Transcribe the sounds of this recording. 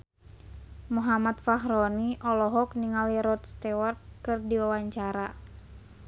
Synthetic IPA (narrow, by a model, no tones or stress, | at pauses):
muɦamat̪faɦɾɔniʔɔlɔɦɔkniŋaliɾɔt̪̚st̪ɛwart̪̚kɨrdiwawaɲt͡ʃaɾa